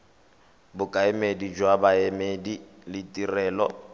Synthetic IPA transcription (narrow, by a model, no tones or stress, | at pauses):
bʊkʼaɪmedid͡ʒwabaɛmedilɪtʼirɛːlɔ̰